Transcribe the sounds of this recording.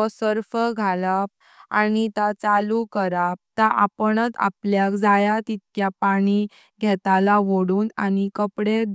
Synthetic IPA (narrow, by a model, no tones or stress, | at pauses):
ɔsəɾfəɡʱalap̚ | anit̪at͡salukəɾap̚t̪aʔapəɳət̪a̰pljakd͡zajat̪it̪̚kjapaɽ̃i | ɡʱɛt̪alaʋoɽuːnañikəpɽe